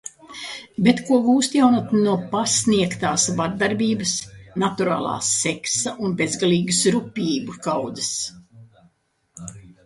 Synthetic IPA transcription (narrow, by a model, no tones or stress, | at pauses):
bʲet̪kuɔɡuːst̪jawnat̪nuɔpasniɛkt̪aːsvaɾd̪aɾbʲiːbəsnat̪uɾa̰ːlˠa̰ːsɛksaʔunbezɡaliːɡusɾupʲiːbukawd̪zɨs